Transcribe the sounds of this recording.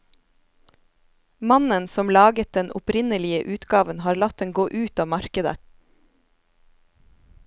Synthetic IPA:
mɑnənsɔmlɑːɡət̪̚d̪ɛnʔʊpɾɪnəlɪəʔʉːt̪ɡɑːʋənhɑːɾlɑt̪̚d̪ɛŋɡoːʔʉːt̪ɑːmɑɾkəd̪ə̰

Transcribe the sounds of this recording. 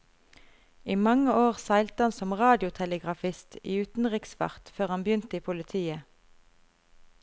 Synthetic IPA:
iːmɑŋəoːʁsæɪlt̪əhɑnsɔmʁɑːd̪ɪʊt̪ʰɛləɡʁɑfɪst̪iːʉːt̪n̩ʁɪksʋɑ̰ʁt̪føːʁhɑnbjʏnt̪əiːpʰʊlət̪ʰiːə

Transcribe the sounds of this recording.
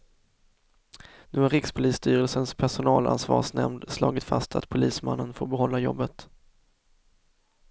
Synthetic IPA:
nʉ̟ːhaɾɪkspʰʊliːst̪yːɾəlsənspʰæʂʊnɑːla̰nsvɑ̰ːʂnɛ̰md̪slɑːɡɪt̪fa̰st̪ʰat̪pʰʊliːsma̰nːənfoːɾbɛɦɔlːajɔ̰bːət̪

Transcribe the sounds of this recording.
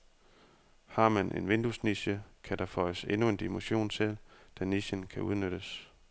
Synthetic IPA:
hɑ̈mænʔe̝nʋe̝nd̥usniɕəkʰæd̥ɑfɒ̽ɪəse̝nue̝nd̥imoɕo̝̰ːnsʰeld̥æniɕənkʰæʔuð̞ˠnøɾ̥əs

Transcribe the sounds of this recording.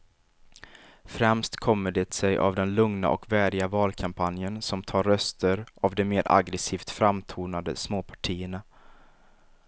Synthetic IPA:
fɾɛmst̪kʰɔmːəɖeːt̪sɛjʔa̰vd̪ɛnlɵŋna̰ʔɔ̰kvæːɖɪɡavɑːlkʰampʰanjənsɔmt̪ʰɑːɾːœst̪əɾavd̪ɛmeːɾʔa̰ɡɾɛsiːft̪fɾamːt̪ʰuːnad̪ə̰smoːpʰḁʈʰiːəɳa

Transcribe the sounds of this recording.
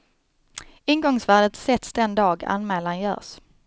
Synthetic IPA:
ɪŋɡɔŋsvæːɖət̪sɛt̪sd̪ɛnd̪ɑːɡa̰nmɛːlanjœ̰ːs

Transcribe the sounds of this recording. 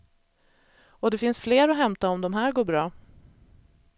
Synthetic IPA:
ɔd̪ɛfɪnsfleːɾɔɦɛmt̪aɔmd̪ɔmɦæːɾɡoːbɾɑː

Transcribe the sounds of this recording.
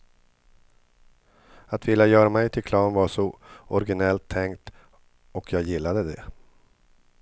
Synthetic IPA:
at̪vɪlːajœːɾamɛjt̪ʰɪlkʰlɑːnvaʂɔɔɾɡɪnɛlt̪ʰːɛŋkt̪ | ɔkʰjɑːɡjɪlːad̪əd̪ɛ

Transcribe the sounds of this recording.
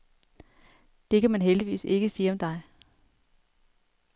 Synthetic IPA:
d̥e̝kʰæmænɦeld̥iʋḭːse̝ɡ̥əsiːɒ̽md̥ɑ̈ɪ

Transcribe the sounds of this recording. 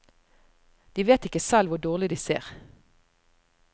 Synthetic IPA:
d̪̥iːʋeːt̪ɪkəsɛlʋʊd̪oːʁlɪd̪iːsḛːʁ

